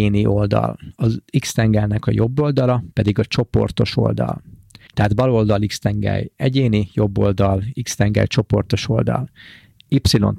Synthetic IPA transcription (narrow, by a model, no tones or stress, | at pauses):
eːniʔold̪ɒ̰lɒzikst̪ɛŋɡɛlnɛkɒ̰jo̞bːo̞ld̪ɒlɒpɛd̪iɡɒt͡ʃo̞po̞rt̪o̞ʃo̞̰ld̪ɒ̰lt̪ɛɦaːd̪bɒlo̞ld̪ɒlikst̪ɛŋɡɛ̰jɛɟeːnijo̞bːo̞ld̪ɒlikst̪ɛŋɡɛ̰lt͡ʃo̞po̞rt̪o̞ʃo̞̰ld̪ɒ̰l | ipsilo̞̰n